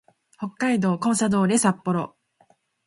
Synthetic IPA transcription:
ho̞kːaid̪o̞ːkõɰ̃sad̪o̞ːɾe̞sapːo̞ɾo̞̰

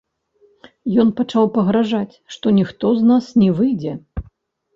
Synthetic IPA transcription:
jɔnpat͡ʂawpɐɣɾaʐat͡sʲʂt̪ɔnʲixt̪ɔznasnʲɛvɨjd͡zʲɛ

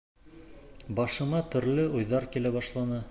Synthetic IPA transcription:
bɑʃɤ̆mɑt̪ɵ̆ɾlɘʔujðɑɾkilæbɑʃlˠɑnɤ

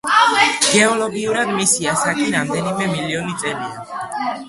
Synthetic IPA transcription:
ɡ̥ɛɔlɔɡiuɾad̪misiasakʼiɾamd̪ɛnimɛmiliɔnit̪sʼɛlia

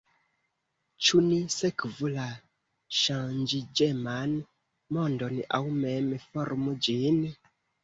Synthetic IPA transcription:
t͡ʃunisekvula | ʃãnd͡ʒid͡ʒeman | mondona̰wmɛmefoɾmud͡ʒin

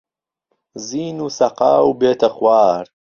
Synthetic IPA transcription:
ziːnuːsɐqɑːwbeːt̪ʰɐxwaːɾ

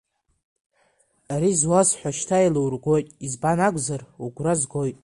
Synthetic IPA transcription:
aɾizwazħʷaʃtʰajlowrɡʷojtʼizbanaɡʷʼzaruɡʷrazɡojtʼ

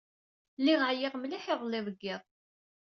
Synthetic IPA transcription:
lːiʁaʕjɪʁmliħɪðˤlːɪðˤəɡːɪðˤ

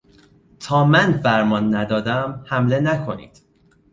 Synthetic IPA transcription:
t̪ʰɒːmænfæɾmɒnːæd̪ɒːd̪æmhæmle̞nækʰo̞nḭːd̪̥

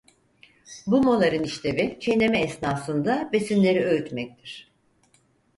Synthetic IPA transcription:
bumolˠaɾɯniʃt̪ʰe̞vit͡ʃʰejnʲe̞mɛːsnaːsɯnd̪abe̞sinlʲe̞ɾiøyt̪mɛc̚t̪ʰiɾ̥

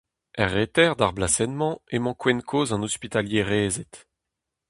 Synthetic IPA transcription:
ɛʁːet̪ɛʁd̪aʁblasɛnmɑ̃emɑ̃kwɛnkʰoːzɑ̃nɔspit̪aljeʁeːzet̪

